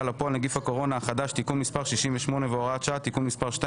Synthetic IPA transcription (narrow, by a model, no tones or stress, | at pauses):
lapoalneɡifako̞ʁo̞naːχad̪aʃt̪ikumːispaʁʃiʃimveʃmo̞ne̞veoʁatʃaat̪ikumːispaʁʃta